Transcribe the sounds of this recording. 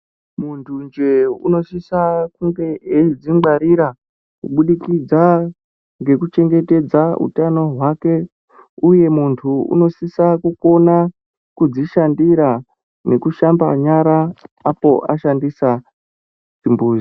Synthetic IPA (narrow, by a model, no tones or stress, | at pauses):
muntʰund͡ʒeṵno̞sisakuŋɡe̞ed͡ziɡ͡baɾiɾa | kuɓuɗikid͡za | ŋɡe̞kut͡ʃe̞ŋɡe̞te̞d͡zaṵtano̞ɦwake̞ | uje̞muntʰuṵno̞sisakuko̞na | kud͡ziʃandiɾa | ne̞kuʃamba̰ɲaɾaapo̞ʔaʃandisa | d͡zimbuːzi